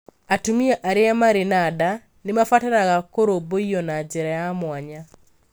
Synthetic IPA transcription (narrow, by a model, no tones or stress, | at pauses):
atumiaʔaɾeamaɾenada | nemafatanaɣakoɾoboiɔnad͡ʒɛɾajamwaɲa